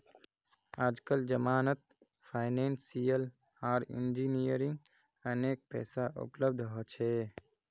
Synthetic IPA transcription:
aːd͡ʒkəld͡ʒəmaːnət̪̚ | pʰaːɪneːnsijəl | aːɾḭnd͡ʒinijəɾĩŋɡ | əneːk̚pɛ̰ːsaʔʊ̰pləb̚d̪ʱɦɔt͡ʃʰe

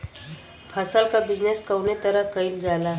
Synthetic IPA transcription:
pʰəsəlkabid͡ʒneskəwnet̪əɾəɦkəild͡ʒalaɦ

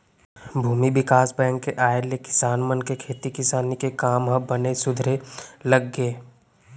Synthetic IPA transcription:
bʱuːmibɪkaːsbɛ̃ːŋkːeʔaːelekɪ̥saːnmənkekʰeːt̪ikɪsaːnikekaːmɦə̃bənesʊd̪ʱɾeləɡːeː

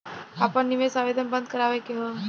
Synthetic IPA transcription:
aːpənːiʋesaʋeːd̪ʱənbə̃nd̪̚kəɾaːʋekeɦo

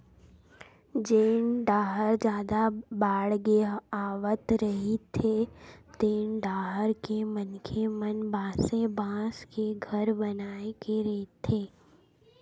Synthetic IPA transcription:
d͡ʒeːnɖaːɦəɾd͡ʒjaːd̪abaːɽɡeaːʋət̪ɾɐɦit̪ʰet̪eːnɖaːɦəɾkemənkʰemənbaːsẽbãːskeɡʱəɾbənaːekeɾet̪ʰeː

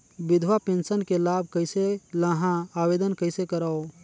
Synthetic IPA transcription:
bid̪ʱʋapẽnsənkelabʱkəɪselaɦãabed̪ənkəɪsekəɾao

